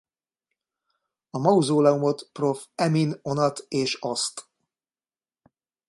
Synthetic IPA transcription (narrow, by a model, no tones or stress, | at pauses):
ɒmɒuzoːlɛumo̞t̪pro̞fɛmino̞nɒt̪eːʃɒst̪